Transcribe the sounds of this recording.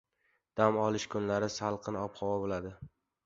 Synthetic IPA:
d̪̥amɒlˠɪʃkʰʊnlaɾɪsalˠqʰɨnɒpχɒwabolad̪ɪ

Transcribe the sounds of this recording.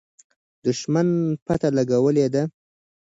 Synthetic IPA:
d̪ʊʃmanpat̪alaɡawəled̪a

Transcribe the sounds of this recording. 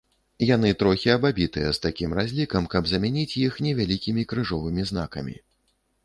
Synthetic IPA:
jan̪ɨt̪ɾɔxʲiɐbabʲit̪ɨjɛst̪akʲimrazʲlʲikɐmkɐbzɐmʲanʲit͡sʲjixnʲɛvʲalʲikʲimʲikɾɨʐɔvɨmʲizn̪akɐ̰mʲḭ

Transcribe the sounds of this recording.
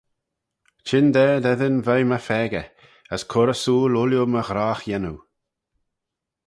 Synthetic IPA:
t͡ʃɪnd̪ɛːɹd̪ɛðənvajməfɛːɡə | əskʰʊɾəsuːlʊljuməɣɾaːxjɛnu

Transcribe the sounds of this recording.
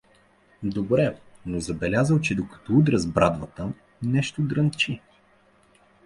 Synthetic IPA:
d̪obɾɛnozɐbɛlʲazəlˠt͡ʃɛd̪okɐ̥t̪ɔud̪ɾəzbɾad̪vət̪ə | nɛʃt̪od̪ɾənt͡ʃi

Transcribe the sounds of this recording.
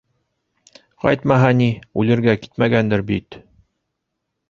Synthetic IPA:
qɑ̰jt̪mɑɦɑniʉlɘ̆ɾɡæki̥t̪mæɡænd̪ɘɾbit̪

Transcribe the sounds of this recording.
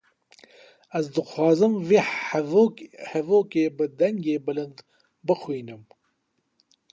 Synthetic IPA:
ɐzd̪ɨxwɑːzɨmve | hɛvoːkeːbɨd̪ɐŋɡeːbɨlɨnd̪ | bɨxuiːnɨm

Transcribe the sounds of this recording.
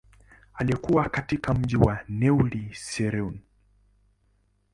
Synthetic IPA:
aliɛkuwakatikam̩ʄiwanɛulisɛɾɛun

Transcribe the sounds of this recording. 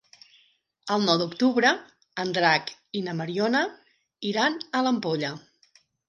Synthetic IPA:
əlˠnɔwd̪ukt̪uβɾə | ənd̪ɾakinəməɾionə | iɾanələmpoʎə

